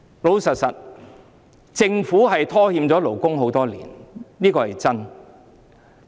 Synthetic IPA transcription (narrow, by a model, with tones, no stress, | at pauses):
lo˨˧wsɐ˨t̚sɐ˨t̚ | t͡sɪ˧ŋfuː˨˥ɦɐ˨jt̪ʰɔː˥hiː˧mt͡sɔː˨˥lo˨˩wkʊ˥ŋɦo˨˥wt̪ɔː˥lḭː˨˩nniː˥kɔː˧hɐ˨jt͡sɐ˥n